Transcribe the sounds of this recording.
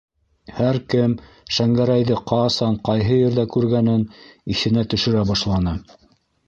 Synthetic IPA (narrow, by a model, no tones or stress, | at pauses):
hæɾkɘm | ʃæŋɡæɾæjðɘqɑsɑɴqɑjɦɤjɘ̆ɾðækʉɾɡænɘnisɘ̆næt̪ɵ̆ʃɘ̆ɾæbɑʃlˠɑnɤ